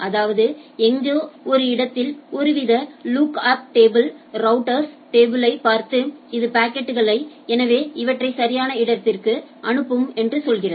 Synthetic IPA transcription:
ʔɐðaːʋɐðɯɛŋɡeɔɾɯɪɽɐt̪ːɪlɔɾɯʋɪðɐluːkaːp̚ʈeːbɪlɾɐʊʈːɐɾs | ʈeːbɯlɐɪpaːɾt̪ɯɪðɯpaːkːɛʈːɯɣɐɭɐɪ | ɛnɐʋeːɪʋɐʈrɐɪsɐɾɪjaːnɐɪɽɐt̪ːɪrkɯʔɐɳɯpːɯmɛndrɯsɔlɣɪrɐð

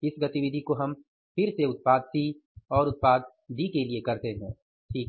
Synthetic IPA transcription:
ɪsɡɐt̪iʋɪd̪ʱikoɦɐm | pʰɪɾseʊt̪̚paːd̪̚t̪ʰiɔːɾʊt̪̚paːd̪̚ːikeliekɐɾt̪eɦɛ̰̃ː | ʃʰiːk

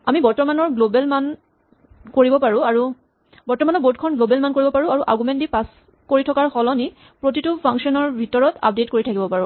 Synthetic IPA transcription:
amibɔɹtɔmanɔɹɡlobɛlman | koɹibɔpaɹũaɹu | bɔɹtɔmanɔɹbot̚kʰɔnɡlobɛlmankoɹibɔpaɹũaɹuʔa̰ɹɡumɛntdipas | koɹitʰɔkaɹxɔlɔni | pɹotitupʰaŋksɔnɔɹbʱitɔɹɔtʰa̰p̚detkoɹitʰakibɔpaɹũ

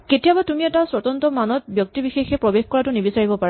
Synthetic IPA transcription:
ketijabatumiɛtasɹɔtɔntɔmanɔt̚bjɔk̚tibixexɛpɹɔbexkɔɹatʊnibisaɹibɔpaɹa

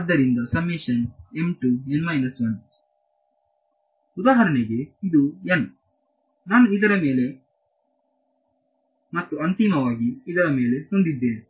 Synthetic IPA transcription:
ɐd̪ːɐɾind̪ɐsɐmːeːʃɐnemʈuenmɐjnɐsʋɐn | ud̪aːɦɐɾɐniɡe̞id̪uen | naːnuid̪ɐɾɐme̞ːle̞ | mɐt̪ːuɐnt̪imɐʋaːɡiːd̪ɐɾɐme̞ːle̞hond̪id̪ːeːne

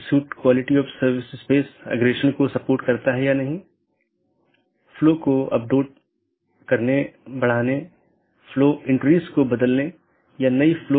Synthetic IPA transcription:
suːʈkwaːlɪʈiɔːfsɐɾʋɪsspeːsɛ̰ɡɾeːʃənkosɐpoːɾʈkɐɾt̪aɦɛjanɐɦĩ | floːkoɐ̰p̚ɖeːʈ̚ | kɐɾnebɐɽ̤aːne | floːɪ̃ɳʈɾiːskobɐd̪əlne | janɐifloː

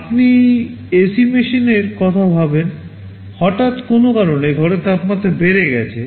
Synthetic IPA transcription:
apni | esimiʃineɾkɔt̪ʰabʱaben | hɔʈat̪konokaɾonːejɡʱɔɾet̪apmat̪ːebeɾeɡɛ̰t͡ɕʰe

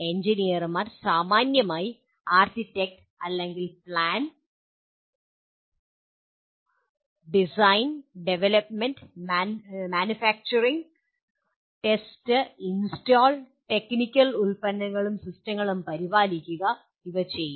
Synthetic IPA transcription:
e̞ɲd͡ʑinijɐrmaːrsaːmaːnjɐmaːji | aːrtitːek̚ʈ | ɐlːe̞ŋɡilpɭaːn | ɖisɐjnɖeʋelɐpmenɖmmaːnufaːk̚t͡ɕɐriŋɡ | ʈe̞stɨinstoːl | ʈe̞knikʲːɐlulpɐnːɐŋːɐɭumsistɐŋːɐɭumpɐɾibaːlikʲːuɣɐ | iʋɐt͡ɕe̞jːum

